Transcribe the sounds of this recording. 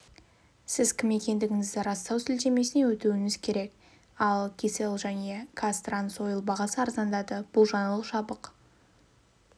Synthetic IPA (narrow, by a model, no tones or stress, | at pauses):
sɪzkʲʰɪme̞kʲe̞nd̪ɪɡʲɪŋɪzd̪ɪɾɑst̪ɑwsɪlt̪e̞me̞sɪne̞wɵt̪uwɪŋɪzkʲʰe̞ɾe̞k | ɑlˠkʲʰiselˠʒæne̞kʰast̪ranso̞jəlˠbɑʁɑsəɑɾzɑnd̪ɑd̪əb̥ʊlˠʒɑnəlˠʃɑbəq